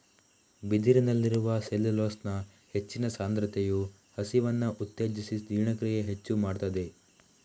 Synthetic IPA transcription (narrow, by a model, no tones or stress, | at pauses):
bid̪iɾinɐlːiɾuʋɐselːiloːsnɐ | he̞t͡ʃːinɐsaːnd̪ɾɐt̪ʰeju | hɐsiʋɐnːɐʔut̪ːeːd͡ʒisisd̪ʱiːɾɳɐkɾiɡeɦet͡ʃːumaːɖt̪ɐd̪e̞